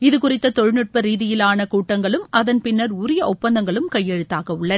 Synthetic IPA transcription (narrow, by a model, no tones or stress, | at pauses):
ɪðɯkʊrɪt̪ːɐt̪ɔɻnɪʈ̚pɐɾiːðɪjɪlaːnɐkuːʈːɐŋɡɐɭɯmɐðɐnpɪnːɐɾuːɾɪjɐʔɔpːɐnd̪ɐŋɡɐɭɯmkɐjːɛɻɯt̪ːaːɣɐʊɭːɐ